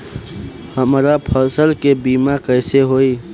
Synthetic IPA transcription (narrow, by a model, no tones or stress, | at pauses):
həmɾapʰəɾsəlkebiːmakəɪseɦoi